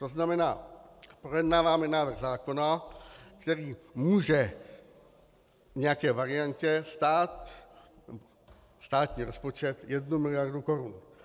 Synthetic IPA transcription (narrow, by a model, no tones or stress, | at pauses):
t̪o̞znamɛna̰ːpɾojɛdnaːvaːmɛnaːvrɣzaːko̞nakt̪ɛɾiːmuːʒɛ | ɲɛjakɛːvaɾɪancɛst̪aːt̪ | nɛbo | st̪aːt̪ɲiːɾo̞spo̞t͡ʃɛt̪jɛdnumɪlɪjaɾduko̞ɾun